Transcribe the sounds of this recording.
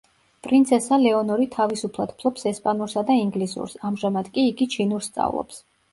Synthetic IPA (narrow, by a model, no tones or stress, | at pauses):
pʼɾint̪sʰɛsalɛɔnɔɾit̪ʰavisupʰlˠad̪̥pʰlˠɔpsɛspʼanuɾsad̪aiŋɡlisṵɾsamʒamad̪kʼiːɡit͡ʃʰinuɾst̪sʼa̰vlˠɔ̰ps